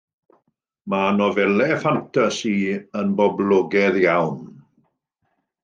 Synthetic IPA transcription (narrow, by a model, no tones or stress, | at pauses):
manɔvɛlɛfantʰasiənbɔblˠɔɡɛðjawn